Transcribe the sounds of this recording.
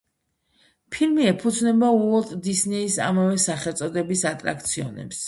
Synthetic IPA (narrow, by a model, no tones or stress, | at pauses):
pʰilmiɛpʰud̪znɛbauɔt̪ʼd̪isnɛisa̰mavɛsaχɛlˠt̪sʼɔd̪ɛbisat̪ʼɾa̰k̚ʰt̪sʰiɔ̰nɛ̰ps